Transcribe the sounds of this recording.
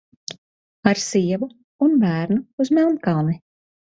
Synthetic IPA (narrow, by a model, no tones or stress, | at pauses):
aɾsiɛvuː | nbæːɾnuːzmɛlˠnkalˠni